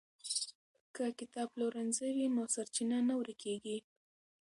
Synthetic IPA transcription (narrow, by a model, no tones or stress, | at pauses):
kəkɪt̪ɑbloɾanzawinosaɾt͡ʃinanawɾikeɡi